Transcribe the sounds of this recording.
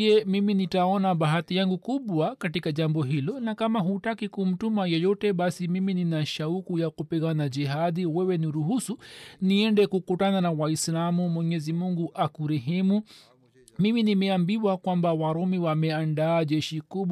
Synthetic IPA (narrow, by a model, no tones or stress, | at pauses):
ɛmiminitaɔnaɓaɦatijaŋɡukuɓwakatikaʄambɔɦilɔnakamaɦutakikum̩tumajɔjɔtɛɓasimimininaʃaukujakupiɣanad͡ʒiɦaðiwɛwɛniɾuɦusuniɛndɛkukutananawaislamumwɛɲɛzimuŋɡuʔakuɾɛɦɛmu | miminimɛambiwakwambawaɾɔmiwamɛandaːʄɛʃikuɓ